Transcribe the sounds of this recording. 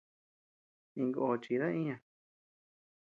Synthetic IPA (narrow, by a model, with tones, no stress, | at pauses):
ĩ˧ŋɡo˧ʔo˧t͡ʃi˧ɾa˦ĩ˦ɲã˨